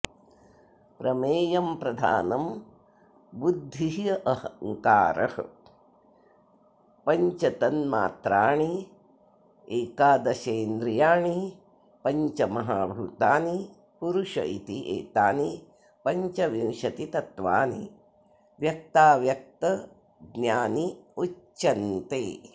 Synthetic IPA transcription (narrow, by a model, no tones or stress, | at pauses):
pɾɐmeːjɐmpɾɐd̪ʱa̰ːnɐm | bud̪ʱːiɐʔɐɦɐŋkaːɾɐ̰hɐ | pɐɲt͡ʃɐt̪ɐnma̰ːt̪ɾaːɳi | eːkaːd̪ɐʃeːnd̪ɾijaːɳi | pɐɲt͡ʃɐmɐɦaːbʱut̪aːni | puɾuʃɐ̰it̪iʔḛːt̪aːni | pɐɲt͡ʃɐʋiwʃɐt̪it̪ɐt̪ʋa̰ːni | ʋjɐk̚t̪aːʋjɐk̚t̪ɐ | ɡnjaːniut͡ʃːɐnt̪eː